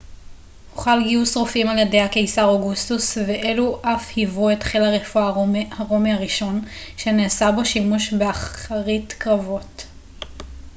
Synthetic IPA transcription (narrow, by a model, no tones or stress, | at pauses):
huχalɡiusʁofimaljedejhake̞jsaʁoɡustusveʔe̞luʔafhivuetχilaʁefuahaʁo̞mihaʁiʃo̞nʃe̞neːsabo̞ʃimuʃbeaχaʁitkʁavo̞t